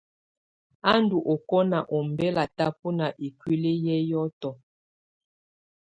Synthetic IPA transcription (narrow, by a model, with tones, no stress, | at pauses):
a˦ndu˨ʔo˨kɔ˦na˨ʔɔ˨mbɛ˦la˨ta˦pu˦na˨ʔi˨kwi˦le˦jɛ˦jɔ˦tɔ˨